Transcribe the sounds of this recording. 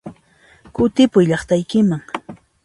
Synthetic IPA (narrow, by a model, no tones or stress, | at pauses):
kʊt̪ɪpʊjʎɑχt̪ajkɪmaŋ